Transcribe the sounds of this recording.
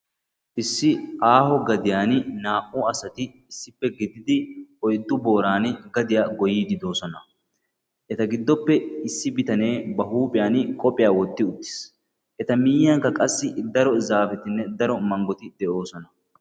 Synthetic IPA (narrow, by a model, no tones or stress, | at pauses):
ʔɪsːɪʔaːhɔɡɐd̪ɪjaːnnaːʔʼuɐsɐt̪ɪ | ɪsːɪpːɛɡɪd̪ɪd̪ɪɔjd̪ːʊbo̞ːɾaːnɡɐd̪ɪjaːɡɔjiːd̪ɪd̪o̞ːsɔnɐ | ʔɛt̪ɐɡɪd̪ːɔpːɛɪsːɪbɪt̪ɐne̞ːbɐɦuːpʼɪjaːnkʼɔpʼɪjaːwɔt̪ːɪʊt̪ːɪ̥s | ʔɛt̪ɐmɪːjɐŋkːɐkʼɐsːɪd̪ɐɾɔzaːfɛt̪ɪnːɛd̪ɐɾɔmɐŋɡɔt̪ɪd̪ɛʔo̞ːsɔnɐ